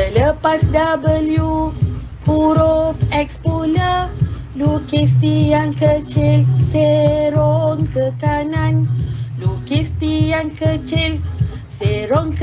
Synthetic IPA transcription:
tələpasdabəlju | puɾofɛkspunə | lukist̪ijankət͡ʃilseɾoŋkəkanãnlukist̪ijankət͡ʃil | seɾɔŋk

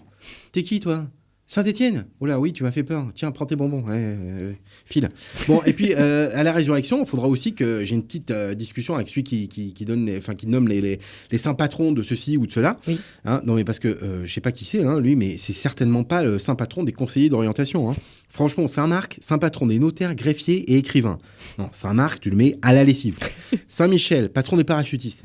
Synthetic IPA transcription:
t̪ekʲit̪wa | sɛ̃t̪et̪jɛnolawit̪ymafɛpœʁt̪jɛ̃pχɑ̃t̪ebɔ̃bɔ̃ɛ | filbɔ̃ʔepɥiøalaʁezyʁɛksjɔ̃ilfod̪ʁaosikəʒeynpət̪it̪ød̪iskʲysjɔ̃avɛksəlɥikʲikʲikʲid̪ɔnleɑ̃fɛ̃kʲinɔmlele | lesɛ̃pat̪χɔ̃d̪əsəsiud̪əsəlawi | ɛ̰̃nɔ̃mɛpaʁsə̥kəʔøʒəsɛpakʲisɛɛ̃lɥimɛsɛsɛʁt̪ɛnmɑ̃paləsɛ̃pat̪χɔ̃d̪ekɔ̃sejed̪ɔʁjɑ̃t̪asjɔ̃ɛ̃ | fχɑ̃ʃmɑ̃sɛ̃maʁksɛ̃pat̪χɔ̃d̪enot̪ɛʁɡʁefjeʔeːkχivɛ̰̃ | nɔ̃sɛɛ̃maʁkt̪yləmɛalalesivsɛ̃miʃɛlpat̪χɔ̃d̪epaʁaʃyt̪ist̪

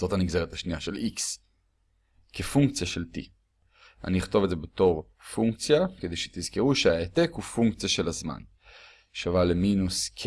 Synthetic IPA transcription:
z̥o̞t̪aniɡzeʁet̪haʃniaʃe̞liks | kefuŋk̚t͡sjaʃeltḭ | a̰niiχt̪o̞vdzebe̞t̪o̞ʁ | fuŋkt͡sjaked̪ejʃe̥t̪izkeʁuʃeaet̪ekhufuŋkt͡sijaʃe̞lazma̰n | ʃavaleminuskʰ

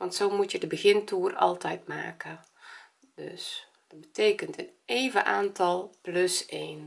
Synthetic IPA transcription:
ʋɑntsoːmutjədəbəɣɪntuːrɑ̰lˠtɛjtma̰ːkə | dø̰s | d̥əbətʰeːkəntəneːvəʔaːntʰɑlˠpløseːn

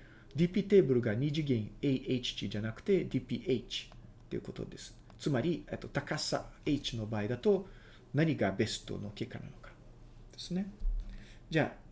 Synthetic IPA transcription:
d̪ʲiːpʲiːt̪e̞ːbɯ̟ɾɯ̟ɡaɲ̟iʑiɡẽŋeiʔeit͡ɕi̥t͡ɕid͡ʑanakɯ̟̥t̪e̞d̪ʲiːpʲiːʔeit͡ɕi̥ | t̪ːe̞iɯ̟ko̞t̪o̞̰d̪e̞sɨ̥ | t͡sɨmaɾʲiet̪ːo̞t̪akasa̰eit͡ɕino̞baːid̪at̪o̞ | naɲ̟iɡabe̞sɨ̥t̪o̞̰no̞ke̞ːkːana̰no̞kḁ | d̪̥e̞sɨne̞ | d͡ʑa̰ː

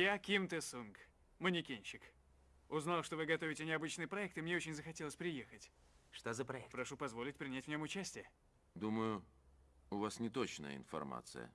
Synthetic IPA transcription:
jakʲimt̪ɨsunk | mənʲɪkʲenʲɕɪk | ʊznalˠʂt̪ovɨɡɐt̪o̞vʲɪtʲɪnʲɪɐbɨt͡ɕnɨjpɾɐɛk̚t̪ɨmnʲe̞ot͡ɕɪnʲzəxɐtʲelˠəsʲpɾʲɪjexətʲ | ʂt̪ozəpɾɐɛkpɾɐʂupɐzvo̞lʲɪtʲpɾʲɪnʲætʲvnʲo̞mʊt͡ɕæsʲtʲɪjə | d̪uməjʊ | ʊvasnʲɪt̪ot͡ɕnə̰jə̰ɪ̰nfɐ̰rma̰t̪sɨ̰jə̰

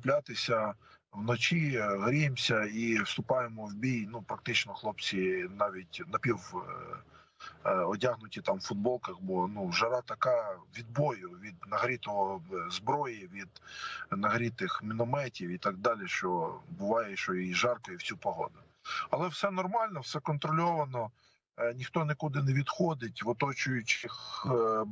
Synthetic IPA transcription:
plʲat̪ɪsʲɐ | wnɔt͡ʃiɦɾʲijemsʲɐiwst̪ʊpɑjemɔwbʲijnupɾɐk̚t̪ɪt͡ʃnɔxlˠɔpt͡sʲinɑʋʲitʲnɐpʲiw | ɔtʲaɦnʊtʲit̪ɑmfʊd̪̚bɔlˠkɐxbɔnuʒɐɾɑt̪ɐkɑʋʲid̪̚bɔjʊʋʲid̪nɐɦɾʲit̪ɔɦɔzbɾɔjiʋʲid̪nɐɦɾʲit̪ɪxmʲinɔmɛtʲiwit̪ɑɡ̚d̪ɑlʲiʃt͡ʃɔbʊʋɑjɛʃt͡ʃɔjiʒɑrkɔjiwt͡sʲupɔɦɔ̰d̪ʊ | ɐlˠɛwsɛnɔrmɑlʲnɔwsɛkɔnt̪ɾɔlʲɔʋɐnɔ | nʲixt̪ɔnekʊd̪ɪneʋʲid̪xɔd̪ɪtʲʋɔt̪ɔt͡ʃʊjʊt͡ʃɪx

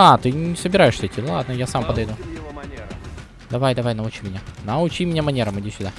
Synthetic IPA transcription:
at̪ɨnʲɪsəbʲɪɾajɪʂsʲɛtʲilˠad̪nəjasampəd̪ɐjd̪u | d̪ɐvajd̪ɐvajnɐʊt͡ɕimʲɪnʲanɐʊt͡ɕimʲɪnʲamɐnʲeɾəmɨjdʲisʲʊd̪a

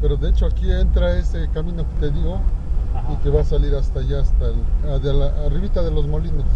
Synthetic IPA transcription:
pe̞ɾo̞ðeet͡ʃoakie̞nt̪ɾae̞se̞kamĩno̞ket̪e̞ðjo | ike̞βasaliɾast̪aʝaːst̪alaðelariβit̪aðe̞lo̞zmo̞linos

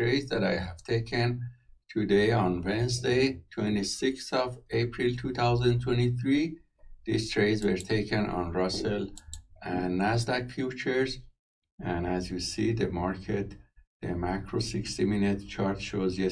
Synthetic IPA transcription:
ɹejdzd̪æɾa̰jɦæv̥t̪ʰekʰɛ̃nt̪ʰud̪ejɔ̃nwɛ̃nzd̪ejt̪ʰwɛ̃ntisɪkstɔvepʰɹilt̪ʰuːt̪ʰawzæ̃nt̪ʰwɛ̃ntiθɹi | d̪̥ist̪ʰɹejdzwəɹt̪ʰejkɛ̃nɔ̰̃nɹʌsəlæ̃nːæzdækfjuːt͡ʃəɹz | æ̃næzjusiːd̪əmɑɹkʰet̪ð̥əmækʰɹosɪkst̪iminɪt̪t͡ʃʰɑɾt̪ʃoːzjɛ

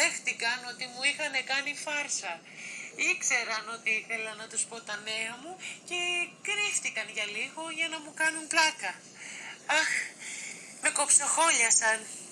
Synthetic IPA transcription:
ðe̞xθikɐno̞t̪imuixɐne̞kɐnifɐɾsɐ | ikse̞ɾɐno̞t̪iiθe̞lɐnɐt̪uspo̞t̪ɐne̞ɐmuce̞kɾift̪ikɐnʝɐliɣo̞ʝɐnɐmukɐnunplɐkɐ | ɐx | me̞ko̞psoxo̞ʎɐsɐn

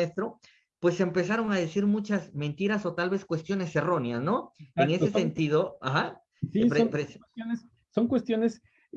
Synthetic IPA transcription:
est̪ɾo̞ | pwe̞sempe̞saɾo̞ŋaðesiɾmũt͡ʃasmẽ̞nt̪iɾaso̞t̪alβe̞skwe̞st̪jo̞ne̞se̞ro̞neasno̞eŋe̞sese̞nt̪iðo̞axa | sippɾejones | soŋkwest̪jo̞nes

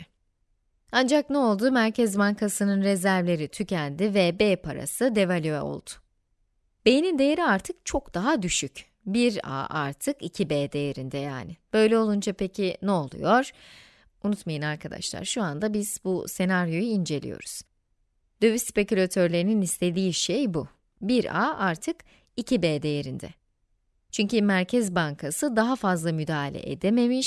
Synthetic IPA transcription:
and͡ʒak̚nɛo̞lˠd̪umæɾcʰɛzbankʰasɯnɯnɾezæɾvlʲe̞ɾit̪ʰycʰænʲd̪ivɛbeːpʰaɾa̰sɯd̪e̞valʲyɛ̰o̞̰lˠd̪̥ʊ̥ | b̥ejnind̪e̞jeɾiaɾt̪ʰɯk̚t͡ʃʰo̞kd̪̥aɦad̪yʃyc | biɾa̰ːʔa̰ɾt̪ʰɯkicʰibeːd̪e̞jeɾind̪ɛja̰ːnɪb̥ø̞jlʲɛo̞lˠund͡ʒapʰe̞cʰinɛo̞lˠṵjo̞ɾ̥ | unut̪majɯnaɾkʰad̪a̰ʃlˠa̰ɾʃuand̪abiz̥buse̞naɾjo̞juind͡ʒe̞lʲḭjo̞̰ɾuz̥ | d̪øvysspe̞cylʲat̪ʰø̞ɾlʲe̞ɾininist̪ʰe̞d̪iːʃejbu | biɾa̰ʔaɾt̪ʰɯk | icʰibeːd̪e̞jeɾind̪ɛ̰ | t͡ʃʰyɲcymæɾcʰɛzbaŋkʰasɯd̪aɦafazlˠamyd̪aːɦlʲɛ̰ʔḛd̪eme̞miʃ

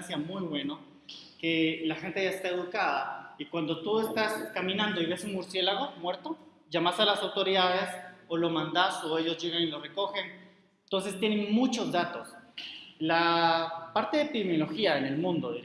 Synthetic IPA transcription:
nsjamujβwe̞no | ke̞laxe̞nt̪e̞ʝaest̪ae̞ðukaða̰ikwand̪o̞t̪ue̞st̪askamĩnãnd̪o̞iβe̞sunmuɾsje̞laɣ̞o̞mwe̞ɾt̪o̞ | ʝamasalasawt̪o̞ɾiðaðe̞solo̞mãnd̪aso̞e̞ʝo̞zʝe̞ɣanilo̞re̞ko̞xe̞n | nt̪o̞ns̬e̞st̪je̞neŋnmut͡ʃo̞zðat̪o̞s | la | paɾt̪e̞ðepiðemjolo̞xiaene̞lmũnd̪o̞ði

